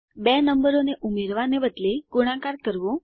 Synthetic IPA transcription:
benəmbəɾoneʔumeɾʋanebəd̪leɡ̥uɽ̃akaɾkəɾʋõ

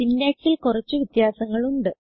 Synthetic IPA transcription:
inːaːʈʈːilkurɐt͡ɕːuʋit̪jaːsɐŋːɐɭuɳɖɨ

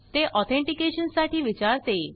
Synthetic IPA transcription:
t̪eʔɔt̪ʰẽɳʈikeɕənsaʈiːʋit͡ɕaɾt̪e

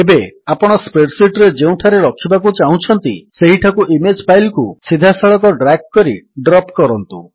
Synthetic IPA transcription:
ebeapɔɽ̃ɔspɾeɖsiʈɾed͡ʒeũʈʰaɾeɾɔkʰibak̬ut͡ʃaɦũt͡ʃʰɔnt̪ḭseɦiʈʰakuʔimed͡ʒpʰajlkusid̪ʱasaɭɔkɔɖɾakkɔɾiɖɾɔpkɔɾɔnt̪ṵ

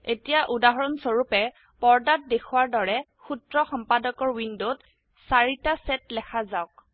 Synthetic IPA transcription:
etijaʔudaɦɔɹɔnsoɹupɛ | pɔɹdat̚dexʰuwaɹdɔɹɛ | xutɹɔxɔmpadɔkɔɹwindot | saɹitasɛtlɛkʰazaʊk̚

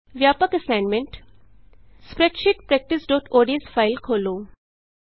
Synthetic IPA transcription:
ʋjaːpəkɐsaɪnmẽɳʈ | spɾeʈʃɪʈpɾɛk̚ʈɪsɖoːʈoːɖiəsfʰaːɪlkʰoːloː

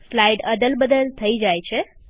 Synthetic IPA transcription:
slaiɖəd̪əlbəd̪əlt̪ʰəid͡ʒajt͡ʃʰe

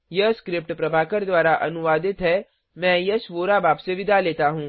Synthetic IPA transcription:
jɐskɾɪp̚ʈpɾɐbʱaːkəɾd̪waːɾaʔɐ̰nʊʋaːd̪ɪt̪ɦɛ | mɛ̃ːjɐsʋoːɾabaːbseʋɪd̪ʱaleːt̪aɦũː

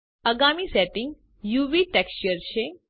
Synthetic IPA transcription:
əɡamisɛʈɪ̃ŋɡ | juʋiʈɛkst͡ʃəɾʃe

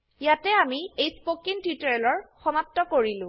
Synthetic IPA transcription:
jatɛamiejspokintitɔɛlɔɹxɔmap̚tɔkoɹilʊ̃

